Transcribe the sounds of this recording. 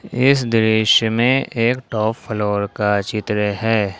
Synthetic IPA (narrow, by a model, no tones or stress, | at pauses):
ɪsd̪ɪɾɪʃəmẽeːkʈɔːpʰːloːɾkat͡ʃɪt̪ɾəɦɛː